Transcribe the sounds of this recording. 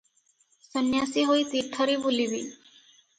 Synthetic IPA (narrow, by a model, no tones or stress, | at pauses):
sənjasiɦojt̪iʈʰɔɾibulibḭ